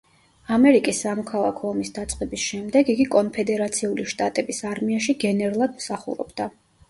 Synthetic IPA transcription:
amɛɾikʼisːamɔkʰalˠa̰kʰɔɔmisd̪at̪sʼqʼɛbisʃɛmd̪ɛɡiɡikʼɔnpʰɛd̪ɛɾat̪sʰiuliʃt̪ʼat̪ʼɛbisaɾmiaʃiɡɛnɛɾulˠad̪msaχṵɾɔ̰bd̪a

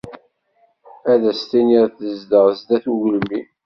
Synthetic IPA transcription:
æðæst̪iniɾθəzd̪əʁzd̪æθuʝlmi

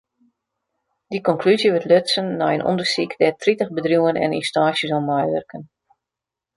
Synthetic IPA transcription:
d̥ikɔŋklyzjəʋətløtsənːɔjənʔɔ̰ndərsikdɛtʰritəxbədrjuːənɛ̰nḭnstaːsjəsɔmːɔjʋə̰rkʰən

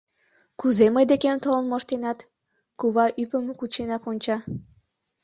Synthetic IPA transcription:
kuzeməjd̪ekemt̪olənmoʃt̪enɑt̪ | kuβɑʔypəmkut͡ɕenɑkonʲt͡ɕɑ

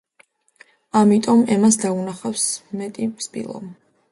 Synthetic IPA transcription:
amit̪ʼɔmɛmasd̪aunaχafsmɛt̪ʼipspʼḭlˠɔ̰m

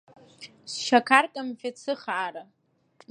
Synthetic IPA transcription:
sʃakʰartʼamfʲat͡sʰɨχaːɾa

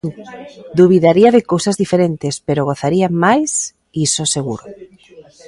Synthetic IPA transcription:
d̪uβiðaɾiaðɪkowsazðifeɾent̪ɪspeɾoɣ̞oθaɾiamajs | isoseɣuɾo

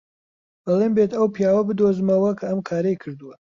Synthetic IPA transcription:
b̥ɐlˠeːmbeːt̪ʰɐwpijaːwɐbɨd̪ozɨmɐwɐkʰɐɐmkʰaːɾɐjkʰɨɾd̪ɨwɐ

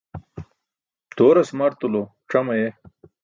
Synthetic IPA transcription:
t̪oːɾɐsmɐɾt̪ulo | ʈ͡ʂɐmɐje

